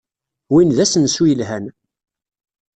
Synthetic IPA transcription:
winðæsənswujəlɦæn

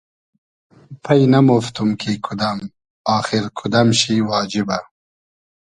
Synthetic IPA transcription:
pʰɐjnamoft̪umkʰikʰʊd̪am | ɑːxɪɾkʰʊd̪amʃiwɑːd͡ʒɪba

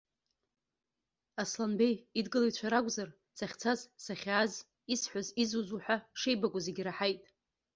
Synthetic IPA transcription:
aslanbe̞jidɡɨlajt͡ɕʷʰaɾakʷʼzar | saχʲt͡sʰazsaχʲaz | isħʷazizuzuħʷᶣaʂe̞jbakʷʼʊzeɡʲɾaħajtʼ

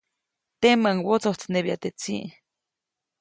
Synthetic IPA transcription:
t̪eməŋwot͡soht͡sneβjat̪et͡siʔ

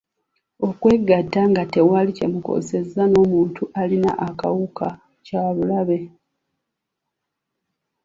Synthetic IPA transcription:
o̞kwe̞ɡatːaŋɡate̞walice̞̰muko̞̰se̞zano̞ːmuːntuʔalina̰ʔaka̰wukʰa | caβulaβe̞

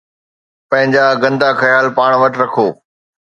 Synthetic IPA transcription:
pɐ̃ɦɪ̃ɲd͡ʑaːɡɐ̃nd̪axɐjaːlpaːɽ̃ʋɐʈɾɐkʰoː

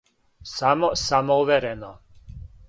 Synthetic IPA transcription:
samɔsamɔuʋɛɾɛnɔ

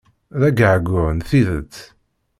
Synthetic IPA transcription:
ðæɡəʕɡʊɾnθiðə̰t͡sː

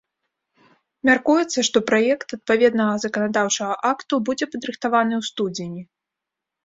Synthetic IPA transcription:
mʲarkujɛt̪sːɐʂt̪ɔpɾajɛkt̪ɐt̪̚pavʲɛd̪nɐɣɐzɐkɐnad̪awt͡ʂɐɣɐʔakt̪ubud͡zʲɛpɐd̪ɾɨxt̪avanɨwst̪ud͡zʲinʲi

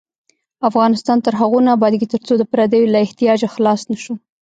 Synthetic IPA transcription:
afɣɑnɪst̪ɑnt̪əɾɦaɣojnabɑd̪ɡit̪əɾt͡sod̪əpɾɑd̪əjolaɪht̪ijɑd͡ʒaxlɑsnaʃu

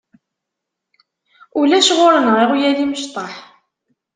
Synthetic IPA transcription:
ulæʃʁʊɾənʁɪʁjæliməʃt̪ˤɑħ

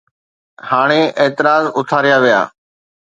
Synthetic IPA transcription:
haːɽ̃eʔeːt̪ɪɾaːzʊt̪ʰaːɾɪjaːʋɪja̰ː

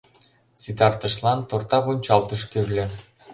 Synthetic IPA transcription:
sit̪ɑrt̪ɤ̆ʃlˠɑnt̪ort̪ɑponʲt͡ɕɑlˠt̪ɤ̆ʃkeβlʲɘ̆

